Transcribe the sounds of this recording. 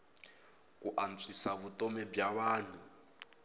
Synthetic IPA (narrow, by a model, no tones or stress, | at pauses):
kuʔant͡sʰisaβutʼɔmɛbjaβaːn̤u